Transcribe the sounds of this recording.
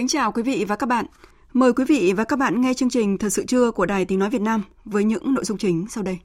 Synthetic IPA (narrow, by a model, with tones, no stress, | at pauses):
ki˨˦ŋt͡ɕaː˨˩wkwi˨˦vḭ˧˨vaː˨˩ka˦˥k̚ɓa̰ː˧˨n | məː˨˩jkwi˨˦vḭ˧˨vaː˨˩kaː˦˥k̚ɓa̰ː˧˨nŋɛ˧t͡ɕɨ˧əŋt͡ɕï˨˩ŋ̟t̪ʰə˨˩sɨ̰˧˨t͡ɕɨ˧əku˧˩əɗaː˨˩jt̪ï˨˦ŋ̟nɔ˨˦vi˨˩t̚naː˧m | vəː˨˦jɲɨ̰˧˥ŋno̰˧˨jzʊ˧ŋ͡mt͡ɕï˨˦ŋ̟sa˧wɗə˧j